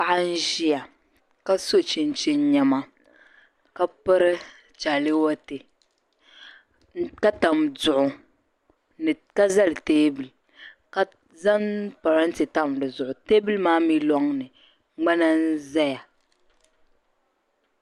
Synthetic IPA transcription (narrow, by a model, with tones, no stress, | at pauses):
pa˦ʔa˦n̩˦ʒi˦ja˨ | ka˦so˦t͡ʃi˨n˦t͡ʃi˦n˦ɲɛ˦ma˦ | ka˦pɨ˦ɾɨ˦ | t͡ʃa˨lɪ˦wɔ˦te˨ | ka˦ta˨mdʊ˨ʔʊ˨ | n˨ | ka˦za˦lteː˦bɨ˨l | ka˦ | za˦npa˨ɾa˦n˦ti˨ta˦m˨dɨ˨zʊ˨ʔʊ˨teː˦bɨ˦lmaː˦mi˦lɔ˦ŋnɨ˨ | ŋ͡ma˦na˦n̩˦za˦ja˨